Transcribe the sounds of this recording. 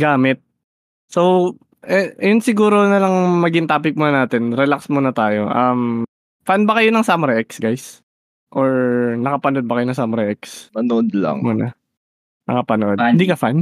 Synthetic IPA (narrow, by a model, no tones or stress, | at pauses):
ɡaːmɪt̪̚ | sow | ʔɛʔɐjonsɪɡuːɾonɐlɐŋmɐɡɪŋt̪aːpɪk̚monɐnaːt̪ɛnɾɛlaksmonɐt̪aːjo̞ʔɐm | fanbɐkɐjonɐŋsamɾaʔɛksɡajs | ʔoɹnɐkɐpɐnod̪̚bɐkɐjonɐŋsamɾɐʔɛkspɐnod̪la̰ŋmuːnɐ̰ | nɐ̰kɐpɐnoʔod̪̚hɪnd̪iːkɐfan